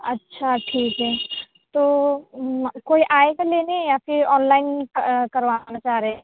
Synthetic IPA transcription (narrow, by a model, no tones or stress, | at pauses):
ɐtːʃʰaʈʰiːkɦɛː | t̪oː | koːiʔaːekaleːnejapʰɪɾɔːnlaːɪnkɐɾʋaːnat͡ʃaːɾe